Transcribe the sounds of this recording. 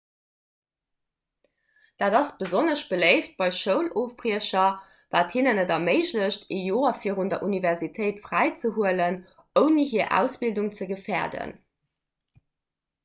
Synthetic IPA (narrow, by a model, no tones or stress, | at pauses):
d̥aːdɑsb̥əzonəʃb̥ələɪft̚b̥ɑɪʃəʊloːfbʁiəɕɐ | vaːthinənədɐməɪʑləɕtʰejoːɐfiːʁundɐʔunivɛʁzitʰəɪtfʁæɪt͡səɦuələn | əʊniɦiːɐʔæ̰ʊsb̥ilduŋt͡səɡəfɛːɐdə̰n